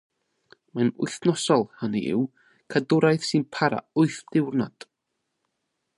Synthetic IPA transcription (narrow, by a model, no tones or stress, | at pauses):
manʊ̰jθnɔsɔlˠhənḭʔɪ̰w | kʰadʊɾajθsɨnpʰaɾa̰ʊɨθd̥ɪwrnad̥